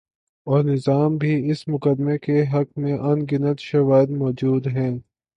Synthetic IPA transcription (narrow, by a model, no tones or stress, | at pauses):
ɔːɾnɪzaːmbʱiɪsmʊkəd̪mekeɦɐkmẽʔɐnɡɪnət̪ʃɐʋaːɪd̪mɔːd͡ʒuːd̪ɦɛ̃ː